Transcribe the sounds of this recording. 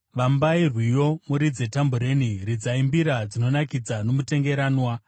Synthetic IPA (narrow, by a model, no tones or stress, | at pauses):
ʋambairwijo̞muɾid͡ze̞tambuɾe̞niɾid͡zaimbiɾad͡zino̞nakid͡zano̞mute̞ŋɡe̞ɾaːnwa